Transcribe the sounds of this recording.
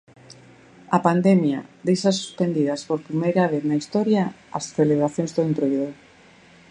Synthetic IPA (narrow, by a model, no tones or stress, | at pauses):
ɐpand̪emjad̪ejsasu̥spend̪iðɐspoɾpɾimejɾaβ̞eθnaist̪ɔɾja | a̰sθeleβ̞ɾaθjõŋzðoent̪ɾojðo